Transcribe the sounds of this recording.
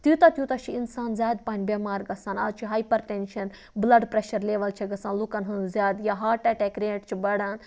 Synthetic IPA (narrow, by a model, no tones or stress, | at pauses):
t̪ut̪ɐt̪jut̪ɐʃʰiinsaːnzʲaːd̪paːnʲbʲeːmaːɾɡɐsaːnɐ̰d̪t͡ʃʰiɦaːjpɐɾʈenʃɐn | blɐɖpɾeʃɐɾleːʋɐlt͡ʃʰiɡɐsãːnlukɐnɦɐnzʲjaːd̪jaːɦaːʈaʈekɾeːʈt͡ʃʰibɐɽaːn